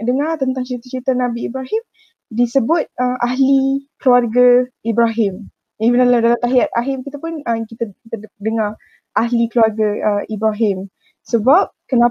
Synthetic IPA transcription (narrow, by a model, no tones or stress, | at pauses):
dəŋart̪ənt̪aŋt͡ʃəɾit̪at͡ʃəɾit̪anãbiːbɾaɦɪm | disəbʊt̪̚əmaɦlikluarɡaibɾaɦɪm | jaənaladalamt̪aɦiat̪a̰ɦɪmkit̪apʊnəkit̪akit̪adəŋa | ʔaɦlikluarɡaəibɾaɦɪm | səbap̚kəna